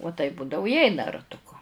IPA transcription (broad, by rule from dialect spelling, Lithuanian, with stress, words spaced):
uɔ tɐɪp ˈbuːdɐʋʊ ɪ ˈɛɪnɐ rɐtʊˈkʊ